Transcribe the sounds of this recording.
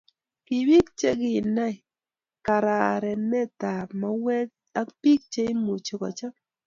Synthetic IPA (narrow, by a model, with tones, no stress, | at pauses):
kɪ˨wi˦k̚t͡ʃe˦ɡɪ˦˨na˦ɪ˨ | ka˨ɾa˨ɾɛ˨nɛ˦t̪a˨ma˨wɛ˦k̚ | a˦kpi˦k̚t͡ʃe˦i˦mu˨t͡ʃo˨kɔ̰˨t͡ʃa˦k̚